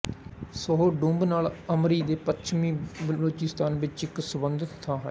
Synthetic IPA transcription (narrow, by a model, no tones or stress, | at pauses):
səɦoːɖũːmbnaːləmɾiːd̪eːpətt͡ʃʰmĩːbəloːt͡ʃɪst̪aːnʋɪt͡ʃɪksʊbənd̪ət̪ʰːãːɦ